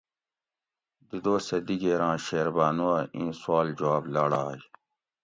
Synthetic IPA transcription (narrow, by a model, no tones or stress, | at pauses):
d̪id̪oːsɐd̪iɡeːɾãːɕeːɾbaːnuɐĩːswaːld͡ʑuwaːblaːɽaːj